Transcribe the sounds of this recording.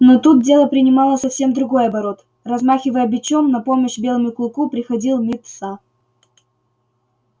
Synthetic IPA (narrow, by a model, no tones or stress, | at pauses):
not̪ut̪̚dʲe̞lˠəpɾʲɪnʲɪmɑlˠəsɐfsʲe̞md̪ɾʊɡo̞jɐbɐɾo̞t̪ | rɐzmaxʲɪvəjəbʲɪt͡ɕomnɐpo̞məɕbʲe̞lˠəmʊɪkʊlˠkupɾʲɪxɐdʲilˠmʲit̪sa